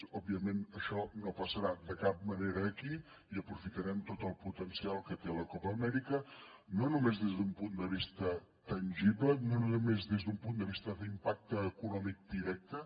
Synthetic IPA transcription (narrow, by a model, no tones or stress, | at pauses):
ɔbiəmenəʃɔnopəsəɾad̪əkap̚məneɾəːki | iəpɾufit̪əɾɛmt̪ot̪əlˠput̪ənsialˠkət̪eləkɔpəːmɛɾikə | nonumezðezðumpund̪əβ̞ist̪ə | t̪ənʲʒiβlənonunumezðezðumpund̪əβist̪əðimpak̚t̪əːkunɔmik̚d̪iɾɛk̚t̪ə